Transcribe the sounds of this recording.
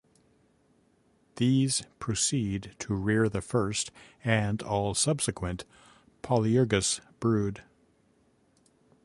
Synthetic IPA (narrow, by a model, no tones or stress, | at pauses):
ðiz̥pʰɹ̥osidtʰəɹɪɹðɨfɜ˞stɨ̃nɔlˠsʌb̥sɨkʰwɨ̃nʔ | pʰɑlˠiɔɹɡɨsb̥ɹʉd̥